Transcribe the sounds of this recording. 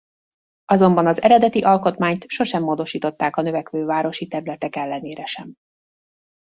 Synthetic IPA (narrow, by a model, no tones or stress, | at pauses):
ɒzo̞mbɒnɒzɛ̰ɾɛd̪ɛt̪iʔɒlko̞t̪maːɲt̪ʃo̞ʃɛmːoːd̪o̞ʃiːt̪o̞t̪ːaːkɒnøvɛkʋøːvaːɾo̞ʃit̪ɛɾylɛt̪ɛkɛlːɛneːɾɛʃɛm